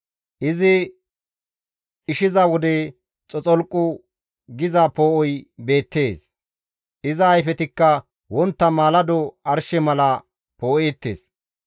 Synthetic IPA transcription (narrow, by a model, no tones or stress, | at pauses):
ʔɪzɪ | ɪʃɪzɐwɔd̪ɛ | t͡sʼɔt͡sʼɔlkʼːʊ | ɡɪzɐpoːʔɔjbe̞ːt̪ːe̞ːs | ʔɪzɐːjfɛt̪ɪkːɐ | wɔnt̪ːɐmaːlɐd̪ɔɐɾʃɛmɐlɐ | poːʔeːt̪ːḛːs